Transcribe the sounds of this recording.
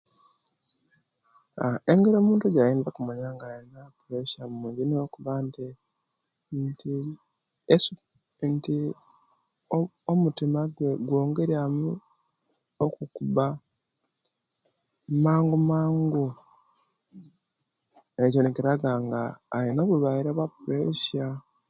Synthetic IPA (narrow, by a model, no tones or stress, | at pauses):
aeŋɡeɾoːmuːntuɟajiːnzakumaɲaːŋɡainapuɾeʃamuːɲɟiniokuβanti | nti | esu | nti | omutimaɡweɡwoːŋɡeɾiamu | okukuβa | maːŋɡumaːŋɡu | eɟoneciɾaɡaŋɡaːjinoːβulwaiɾaβapuɾeʃa